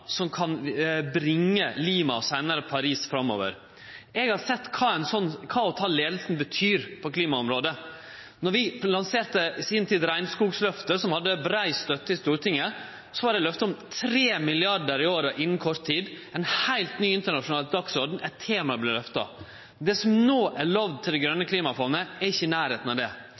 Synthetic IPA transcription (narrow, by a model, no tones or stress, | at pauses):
sɔmkʰɑnbɾɪŋːəliːmɑsæɪnɑɾəpʰɑɾiːsfɾɑmːo̰ːʋə̰ɾ | ɛɡhɑɾsɛt̪ːkʰɑːɛɪnsɔnːkʰɑːɔt̪ʰɑːleːd̪əl̩sn̩bət̪ʰyːɾpʰɔkʰliːmɑɔmɾoːd̪ə | nɔɾʋɪlɑnseːɾt̪əsiːnt̪ʰiːd̪ɾæɪnskuːɡslœft̪əsɔmhɑd̪ːəbɾæɪst̪œt̪ːəɪst̪uːɾʈ̪ɪŋːə | sɔʋɑɾɖɛɪlœft̪əɔmt̪ʰɾeːmɪlɪɑɖəɾɪoːɾəʔɪnːn̩kʰɔɾt̪ʰiːd̪ | ɛnhæɪlt̪nyːɪnt̪əɳɑʂʊnɑːld̪ɑksɔɖ̪n̩æt̪ʰːeːmɑblɪlœft̪ɑ̰ | d̪ɛsɔmnoːʔæɾɭɑʋd̪̚t̪ʰɪld̪ɛɡɾœnːəkʰliːmɑfɔːnəɛɾɪçːəɪnæːɾheːt̪n̩ɑʋd̪ɛ